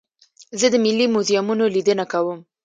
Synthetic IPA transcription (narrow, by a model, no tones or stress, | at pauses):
zəd̪əmɪlːimuzijamunolid̪ənakawəm